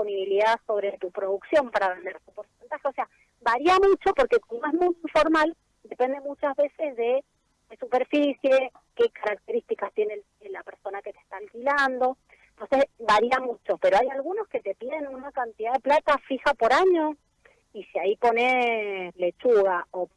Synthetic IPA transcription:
oniβiliðaso̞β̞ɾet̪upɾo̞ðuksjo̞mpaɾaβe̞nd̪eɾt̪upo̞ɾsent̪axeo̞sea | βaɾiamut͡ʃo̞po̞ɾkekonoezmujiɱfo̞ɾmal | d̪e̞pend̪e̞mut͡ʃazβe̞sezðe | esupeɾfisje̞ | ke̞kaɾak̚t̪eɾist̪ikast̪je̞ne | lapeɾso̞naket̪e̥st̪aːlkiland̪o̞ | nt̪onsesβaɾiamut͡ʃo̞pe̞ɾoajalɣuno̞ske̞t̪epiðenunakant̪iðaðe̞plat̪afixapo̞ɾaɲo̞ | isiaipo̞neslet͡ʃuɣao

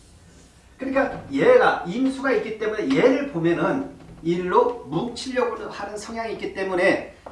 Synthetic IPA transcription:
kɯɲik͈ajeɡaimsʰuɡaik͈it͈e̞mune̞je̞ɾɯɭpomjʌnɯniɭːomuk̚t͡ɕʰiʎːʌɡoɾhaɾɯnsʰʌŋjaŋik͈it͈e̞mune̞

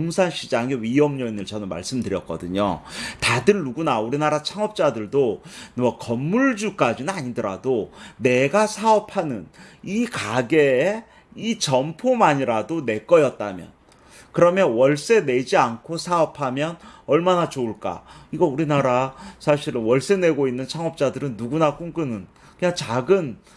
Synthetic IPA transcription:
oŋsʰanɕʰid͡ʑaŋeɥijʌmɲʌinɯɭt͡ɕʌnɯnma̰ɭs͈ɯmdɯɾjʌk͈̚ʌ̰dɯɲo̰tadɯɭːuɡunauɾinaɾat͡ɕʰaŋʌp̚t͡ɕ͈adɯɭdonʌkʌmːuɭd͡ʑuk͈ad͡ʑinɯnaɲidɯɾa̰done̞ɡasʰaʌpʰanɯnikaɡeː | it͡ɕʌmpʰomaɲiɾadone̞k͈ʌjʌt̚t͈a̰mjʌ̰n | kɯɾʌmjʌnwʌɭs͈e̞ne̞d͡ʑiankʰosʰaʌpʰamjʌnʌɭmanat͡ɕouɭk͈a̰iɡʌuɾinaɾasʰaɕʰiɾɯnwʌɭs͈ene̞ɡoinːɯnt͡ɕʰaŋʌp̚t͡ɕ͈adɯɾɯnːuɡunak͈uŋɡɯnɯn | kɯɲaŋt͡ɕaɡɯn

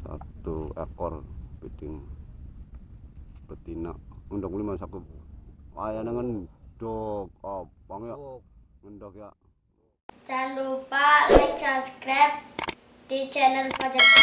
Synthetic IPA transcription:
sa̰t̪uḛkɔrpid̥ɪŋ | b̥ət̪ina̰ʔundɔkmulimansaku | wajanaŋənd̥ɔk̚ɔwaŋuja | ŋəndɔkja | t͡ʃand̪upalɪŋt͡ʃaskɾap̚ | d̪̥it͡ʃɛnəlpɔd͡ʒɛkt̪

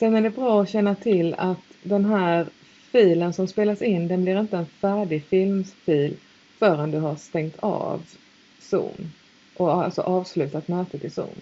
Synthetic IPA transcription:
sɛnæɖɛbɾɑːɔɕɛnːat̪ʰɪlːat̪d̪ɛnɦæːɾ | fiːlənsɔmspeːlasɪnːd̪ɛnblɪɾɪnt̪əɛnfæːɖɪɡfɪlmfiːl | fœːɾənd̪ɵɦaʂt̪ɛŋt̪ʰɑ̰ːv | sṵːm | ʔɔa̰lsɔ̰ʔɑːvslʉ̟ːt̪at̪møːt̪ət̪ʰɪsṵːm

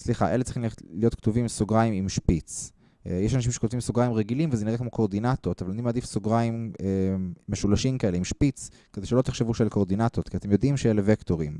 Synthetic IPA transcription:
sliχaʔelet͡seiχimleχelijo̞t̪kt̪uvimsoɡʁaimimʃpit͡s | jeʃanaʃimʃekot̪vimsoɡʁaimʁeɡilimvezeniʁekmokʰoʁd̪inat̪ot̪avalanimeaːd̪ifsoɡʁaimeːeʃulaʃimkae̞leimʃpit͡s | kedejʃelot̪eχʃevuʃelkoʁd̪inat̪ot̪kʰiat̪e̞mjo̞d̪imʃejelevekto̞ʁim

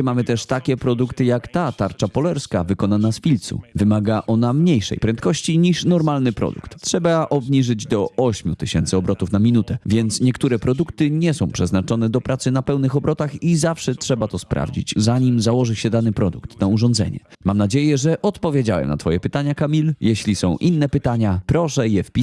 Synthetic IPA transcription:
mamɘt̪ɛʂt̪akʲɛpɾɔd̪ukt̪ɘjakt̪at̪aɾt͡ʂapɔlɛɾskavɘkɔnanasfʲilt̪sṵvɘmaɡaʔɔnamɲejʂɛ̰jpɾɛnt̪̚kɔɕt͡ɕiɲiʂnɔɾmalnɘpɾɔ̰d̪ṵkt̪tʂɛbaʔɔbɲiʐɘd͡ʑd̪ɔʔɔɕmʲut̪ɘɕɛnt̪sɘɔbɾɔt̪ufnamʲinut̪ɛvʲjɛnt̪sɲɛkt̪uɾɛpɾɔd̪ukt̪ɘɲɛsɔ̃w̃pʂɛznat͡ʂɔnɛd̪ɔpɾat̪sɘnapɛwnɘxɔbɾɔt̪axizafʂɛtʂɛbat̪ɔspɾa̰vd͡ʑḭd͡ʑzaɲimzawɔʐɘɕɛd̪anɘpɾɔd̪ukt̪nauʐɔnd̪zɛ̰ɲɛ̰mamnad͡ʑejɛʐɛʔɔt̪pɔvʲjed͡ʑawɛ̰mna̰t̪fɔjɛpɘt̪aɲakamʲiljɛɕlʲisɔ̃w̃ʔinːɛpɘt̪aɲapɾɔʂɛjɛfpʲi

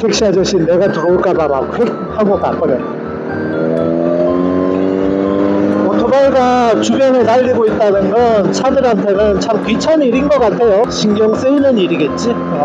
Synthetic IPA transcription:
tʰek̚ɕ͈iɦad͡ʑʌɕʰinːe̞ɡatɯɾoɯɭk͈amamak̚ɸek̚haɡok͈ak͈ɯɾet | otʰubaɭɡat͡ɕubjʌnetaʎːiɡoit̚t͈anɯnɡʌnt͡ɕʰadɯɾɦantʰe̞nɯnt͡ɕʰamkɥit͡ɕʰaniɾinɡʌk͈atʰe̞joɕiŋɡjʌŋs͈ɯinɯniɾiɡe̞t̚t͡ɕ͈i

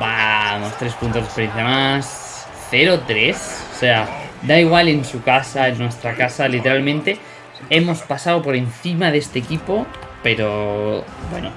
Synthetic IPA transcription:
bamo̞st̪ɾe̞spunt̪o̞zðepejenθjamas | θe̞ɾot̪ɾe̞sosead̪aiɣ̞wale̞nsukasaenːwe̞st̪ɾakasalit̪e̞ɾalmẽ̞nt̪e̞ | e̞mo̞spasaopo̞ɾen̟θimaðe̞st̪e̞ːkipo̞pe̞ɾo̞ | bwe̞̰no

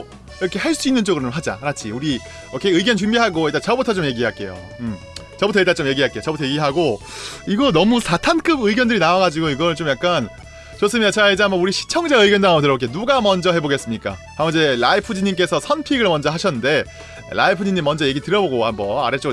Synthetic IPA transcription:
iɾʌkʰe̞ɦaɭs͈uinːɯnt͡ɕ͈oɡɯɾonɦad͡ʑa̰kɯɾat͡ɕʰiuɾi | ʌkʰeɯɡjʌnt͡ɕumbiɦaɡoeɭt͈at͡ɕʌbutʰʌt͡ɕ͈omje̞ɡiɦaɭk͈e̞̰jo̰ | ɯm | t͡ɕʌbutʰʌet͈at͡ɕomje̞ɡiɦaɭkeot͡ɕʌbutʰʌjeɡiɦaɡoiɡʌnʌmusatʰank͈ɯbɯiɡjʌndɯɾinawaɡad͡ʑiɡoiɡʌɭt͡ɕomjak͈an | t͡ɕos͈ɯmiat͡ɕʰaaid͡ʑiamʌuɾiɕʰi̥t͡ɕʰʌŋd͡ʑaɯiɡjʌndamtɯɾʌkʰenuɡamʌnd͡ʑʌɦe̞boɡe̞s͈ɯmɲik͈akamʌnid͡ʑe̞laipʰɯd͡ʑiɲːimk͈e̞sʰʌsʰʌnpʰiɡɯɭmʌnd͡ʑʌɦaɕʰʌnːɯnde̞ | la̰ipʰɯd͡ʑiɲːimːʌnd͡ʑʌje̞ɡitɯɾʌboɡohambʌna̰ɾet͡ɕ͈oɡ

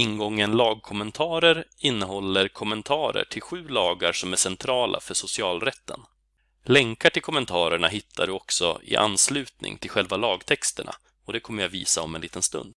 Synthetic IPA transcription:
ɪnɡɔŋːənlɑːɡ̚kʰɔmɛnt̪ʰɑːɾəɾɪnːəɦɔlːəɾkʰɔmːɛnt̪ʰɑːɾə̰ʈʰɪlɧʉ̟ːlɑːɡaɾʂɔmæʂɛnt̪ʰɾɑːlʔa̰fœʂʊsɪɑːlɾɛt̪ːə̰n | lɛŋkaʈʰɪlkʰɔmːɛnt̪ʰɑːɾəɳaɦɪt̪ʰːaɖɵɔksɔ̰ɪ̰ʔa̰nːslʉ̟ːt̪nɪ̰ŋt̪ʰɪlɧɛlvalɑːɡt̪ʰɛkst̪əɳa̰ | ɔd̪ɛkʰɔmːəɾjavḭːsaɔmɛnliːt̪ənst̪ɵ̰nd̪̚

